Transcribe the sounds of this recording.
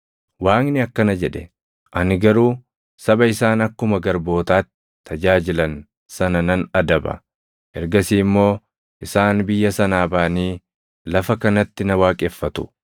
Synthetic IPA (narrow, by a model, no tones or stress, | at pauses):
waːŋnɪɐkːɐnɐd͡ʒɛᶑɛ | ʔɐnɪɡɐɾuː | sɐbɐɪsaːnɐkːʊmɐɡɐɾbo̞ːt̪aːt̪ːɪ̥ | t̪ʰːɐd͡ʒaːd͡ʒɪlɐn | sɐnɐnɐnɐd̪ɐbɐ̰ | hɛɾɡɐsiːmːo̞ː | ʔɪsaːnbɪjːɐsɐnaːbaːniː | lɐfɐkɐnɐt̪ːɪnɐwaːkʼɛfːɐt̪ʊ̥